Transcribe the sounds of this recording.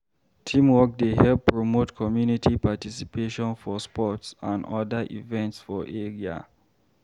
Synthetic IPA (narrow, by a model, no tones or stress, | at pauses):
tʰĩmwɔk̚deɦɛlppːɹomotkʰɔmjunitʰipatisipʰeʃɔ̃nfɔspɔtsãndɔdəʔḭvɛ̃ntsfɔʔeɹia̰